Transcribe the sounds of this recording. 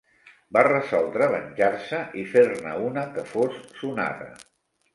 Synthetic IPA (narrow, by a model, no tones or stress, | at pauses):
barəzɔlˠd̪ɾəðənʲʒarsəʔifeɾnə̰unəkəfosːuna̰ðə̰